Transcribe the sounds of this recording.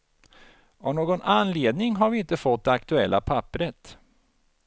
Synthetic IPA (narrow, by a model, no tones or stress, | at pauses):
avnoːɡɔnanleːd̪nɪŋɦaɾvɪɪnt̪əfɔt̪̚ːd̪ɛakt̪ɵɛlːa̰pʰapːɾət̪